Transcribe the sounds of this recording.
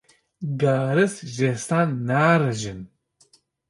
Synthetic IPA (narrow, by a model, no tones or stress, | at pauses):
ɡaːɾɨsʒest̪aːnːaːɾɐʒɨn